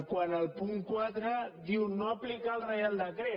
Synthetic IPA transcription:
kwanalpuŋkwaðɾad̪iwnoaplikalrejald̪akɾe

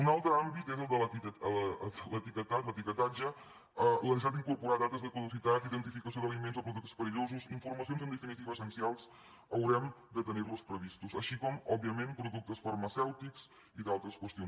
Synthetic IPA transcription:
unalˠt̪ɾəambit̪ezəlˠd̪ələiələlət̪ikət̪at̪lət̪ikət̪ad͡ʒə | ələnʒaɾt̪iŋkuɾpuɾad̪at̪əzðəkuðusit̪at̪iðənt̪ifikəs̬ioðəlimenzɔpɾuðuk̚t̪ə̥spəɾiʎozuziɱfuɾməsionzənd̪əfinit̪iβəsənsialˠs | əwɾɛmd̪ət̪ənirluspɾəβist̪uzəʃikɔmɔbːiəmempɾuðuk̚t̪əsfərməsɛwt̪ikz | iðalˠt̪ɾəskwəst̪ijon

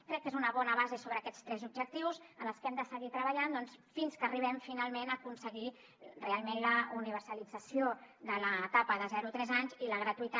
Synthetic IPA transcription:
kɾɛkːezunəβɔnəβazesoβɾəːkɛt͡st̪ɾɛzub̚ʒək̚t̪iwzənləskɛmd̪əsəɣit̪ɾəβəʎand̪ɔnsfinskəriβ̞ɛɱfinalˠmenəkunsəɣi | realˠmenləuniβ̞əɾsəlid͡zəsioðələt̪apəðəzɛɾut̪ɾɛzaɲziləɣɾət̪uit̪a

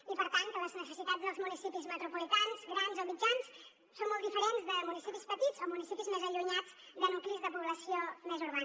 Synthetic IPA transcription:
ipəɾt̪ank̪ələznəsəsit̪ad͡zðəlˠzmunisipizmət̪ɾupulit̪anzɡɾanzomid͡ʒans | sonmɔlˠd̪ifəɾenzðəmunisipispət̪izomunisipizmezəʎuɲad͡zd̪ənuklizðəpuβləsiomezuɾβan

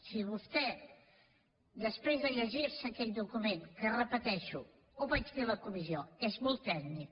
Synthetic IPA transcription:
siβust̪ɛ | d̪əspɾezðəʎəʒiɾsəkɛt̪d̪ukumenkərəpət̪ɛʃu | oβat͡ʃfeləkumizioɛzmɔlˠt̪ːɛɡnik

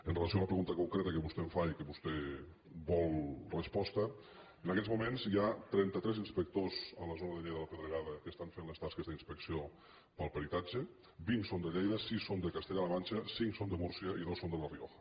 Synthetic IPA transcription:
ənreləs̬ioaləpɾəɣunt̪əkuŋkɾɛt̪əkəβust̪ɛɱfaikəβust̪ɛ | bɔlˠrəspɔst̪ə | ənəkɛzmumenzjat̪ɾɛnt̪ət̪ɾɛzinspək̚t̪ozələzonəðəʎejðələpəðɾəɣaðəkəst̪aɱfenləst̪askəzðəinspəksio | pəlˠpəɾit̪ad͡ʒə | biŋsond̪əʎejðəsisːond̪əkast̪eʎaləβanʲt͡ʃəsiŋksond̪əmuɾsiəiðosːond̪ələrio̰xə̥

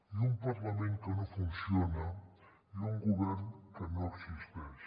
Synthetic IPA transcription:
jumpaɾlamẽnt̪onofunsjona | luŋɡuβeɾnk̪anoɾsikspeɾs

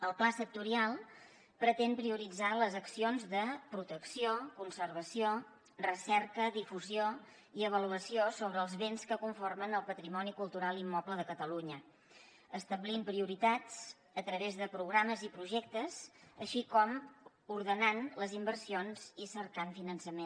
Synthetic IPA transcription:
əlˠplasək̚t̪uɾialˠ | pɾət̪ɛnpɾiuɾid͡zaləzəksionzðəpɾut̪əksiokunsərβ̞əsio | rəsɛɾkəðifuzio | iəβ̞əluəsiosoβɾəːlˠzβenskəkuɱformənəlˠpət̪ɾimɔnikulˠt̪uɾalˠimːɔpləðəkət̪əluɲə | əst̪əβlimpɾiuɾit̪at͡s | ət̪ɾəβezðəpɾuɣɾaməzipɾuʒɛk̚t̪əzəʃikɔm | uɾðənanləzimbərsionz̥isəɾkaɱfinənsəmen

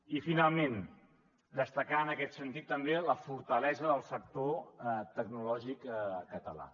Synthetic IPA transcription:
ifinalˠmen | d̪əst̪əkaənəkɛt̪sənt̪it̪ːəmbeləfuɾt̪əlɛzəðəlˠsək̚t̪oɛt̪əɡnulɔʒikəkːət̪əla̰

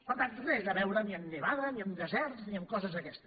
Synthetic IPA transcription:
pəɾt̪ant̪reld̪əβɛwɾəniəmniβaðəniəmd̪əzɛɾt̪sniəmkɔzəzəkɛst̪ə̥

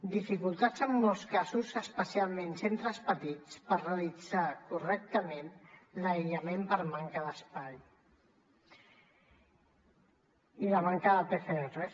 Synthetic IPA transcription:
d̪ifikulˠt̪ad͡zəmːɔlˠskazuzəspəsialˠmensent̪ɾəspət̪it͡spəɾreəlid͡zakurɛk̚t̪əmenləʎəmempəɾmaŋkəðəspaj | iləmaŋkəðəpefeere

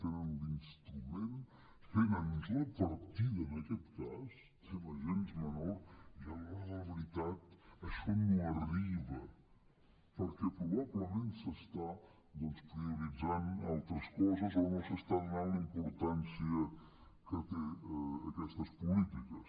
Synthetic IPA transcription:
t̪enənlinst̪ɾumen | fenənzləpəɾt̪iðənəkɛt̪kas | t̪enəʒenzmənoɾialaðəβəɾit̪at̪əʃɔnuəriβə | pəɾkɛpɾuβaβləmensəst̪a | d̪ɔnspɾiuɾid͡zanalˠt̪ɾəskɔzəzonosəst̪aðunanlimpuɾt̪ansiə | kət̪eːkɛst̪əspulit̪ikəs

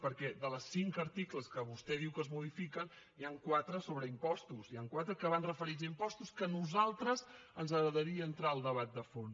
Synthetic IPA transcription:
pəɾkɛd̪ələsːiŋkəɾt̪ikləskəβust̪ɛðiwkəzmuðifikən | jaŋkwat̪ɾəsoβɾəimpɔst̪usijaŋkwat̪ɾəkəβanrəfəɾizəimpɔst̪uskənuzalˠt̪ɾəzənzəɣɾəðəɾiəːnt̪ɾaəlˠd̪əβat̪̚d̪əfons

